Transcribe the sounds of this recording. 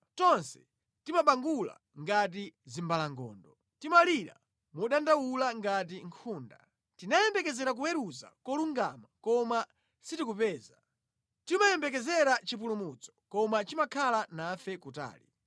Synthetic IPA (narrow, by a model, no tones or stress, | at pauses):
tɔnsɛ̥ | timaɓaŋɡula̰ | ŋɡat̬izimbalaŋɡɔ̰ːndɔ | timaliɾa̰ | muɗandawulaŋɡat̬iŋkʰuːnda̰ | tinajɛmbɛkɛzɛɾak̬uwɛɾuza̰kɔluŋɡa̰makɔma | sitik̬upɛːza | timajɛmbɛk̬ɛzɛɾat͡ʃip̬ulumut͡sɔ̥kɔmat͡ʃimakʰalanaːfɛkuta̰ːli